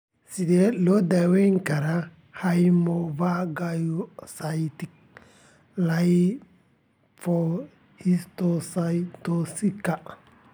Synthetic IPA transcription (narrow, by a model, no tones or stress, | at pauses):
sidelodaweŋkaɾa | hajmovaɡajusajtik̚ | laj | fo | histosajtosikːa